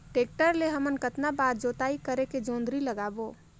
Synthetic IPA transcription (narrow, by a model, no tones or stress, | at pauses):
ʈeːk̚ʈəɾleɦəmənkət̪nabaːɾd͡ʒoːt̪aːikəɾeked͡ʒõːnd̪ɾiləɡaːboː